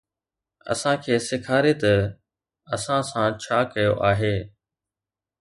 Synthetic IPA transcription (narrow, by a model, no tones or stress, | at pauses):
ɐ̰sãkʰeːsɪkʰaːɾet̪ɐ | ɐsãsãt͡ɕʰaːkɐjoʔaːɦeː